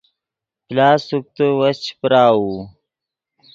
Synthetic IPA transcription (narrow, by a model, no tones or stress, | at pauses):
plaːsuk̚t̪əwɐst͡ɕpɾaːwu